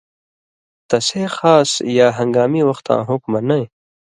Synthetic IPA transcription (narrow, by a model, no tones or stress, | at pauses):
t̪ɐseːxaːsjaːɦɐ̃ŋɡaːmiwɐxt̪ã̰ːɦʊkmɐnɐẽ